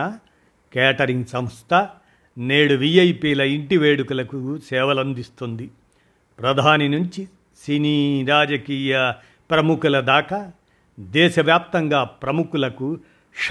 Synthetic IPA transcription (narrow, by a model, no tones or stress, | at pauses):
ɐ | kaːʈɐɾiŋɡsɐmst̪ʰɐ | neːɽuʋiɐjpiːlɐiɳʈiʋeːɽukulɐkusɛːʋɐlɐnd̪ist̪und̪i | pɾɐd̪ʱaːninuɲt͡ʃi | siniːɾaːd͡ʒɐkiːjɐ | pɾɐmukulɐd̪aːkɐ | d̪ɛːʃɐʋjaːp̚t̪ɐŋɡaːpɾɐmukulɐku | ʃ